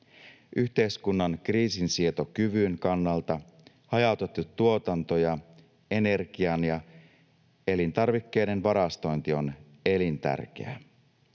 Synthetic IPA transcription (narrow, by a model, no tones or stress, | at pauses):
ʔyçt̪e̞jskunːɑnkriːsinsiet̪okyʋyŋkɑnːɑlt̪ɑ | hɑjɑwt̪et̪ːut̪ːuo̞t̪ɑnt̪o̞jɑ | e̞ne̞rɡiɑnjɑ | e̞lint̪ɑrʋikːe̞jde̞nʋɑɾɑst̪o̞jnt̪io̞n | e̞lint̪æ̰rk̟ḛæ̰